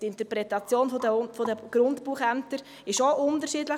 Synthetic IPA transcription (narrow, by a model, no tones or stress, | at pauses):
tɪntəɾpɾɛtɑt͡sjoːnfodəfodəɡ̥ɾʊntpuːχæmtəɾ | ɪʃoʔʊntəɾʃiːdlə